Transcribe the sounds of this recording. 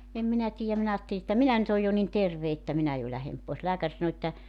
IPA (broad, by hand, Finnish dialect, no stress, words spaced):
em minæ tiːæm minæ ɑːtːeli etːæ minæ nyt oj jo nin terʋe etːæ minæ jo læhem poes læːkær sɑno etːæ